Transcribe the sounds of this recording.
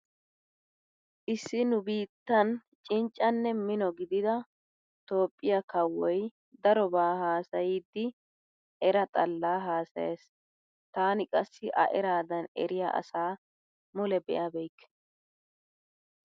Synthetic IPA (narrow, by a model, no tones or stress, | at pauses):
ʔɪsːɪnʊbiːt̪ːɐn | t͡ʃʼɪnt͡ʃʼːɐnːɛmɪnɔɡɪd̪ɪd̪ɐ | t̪o̞ːpʼːɪjɐkɐwːɔj | d̪ɐɾɔbaːhaːsɐjiːd̪ːɪ | ɛɾɐt̪ʼɐlːaːɦaːsɐ̰jeːs | t̪aːnɪkʼɐsːɪʔɐ̰ʔɛɾaːd̪ɐnɛ̰ɾɪja̰ʔɐ̰saː | mʊlɛbɛ̰ʔɐbɛjkː